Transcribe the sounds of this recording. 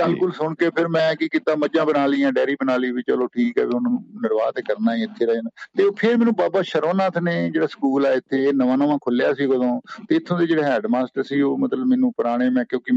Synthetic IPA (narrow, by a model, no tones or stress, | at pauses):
əlkʊlsʊɳkeːpʰɪɾmɛ̃ːkɪkɪt̪ãːməd͡ʒãːbənaːliːãːɖɛːɾiːbənaːliːʋɪt͡ʃəloːʈʰiːkɛ̰ːʋeʊnːũnɪɾʋaːt̪eːkəɾnaːiːɪt̪ʰːeːɾɛnt̪eːoːpʰɪɾmɛ̃ːnũːbaːbaːʃəɾonãːt̪ʰneːd͡ʒeːɽaːsə̥kuːlɛːɪt̪ʰːeːnəʋãːnəʋãːkʰʊljaːsiːɡod̪õːt̪eːɪt̪ʰːõːd̪eːd͡ʒeːɽeːɦɛːɖmaːsʈəɾsiːoːmət̪ləbmɛ̃ːnũːpəɾaːɽ̃eːmɛ̃ːkjõːkɪ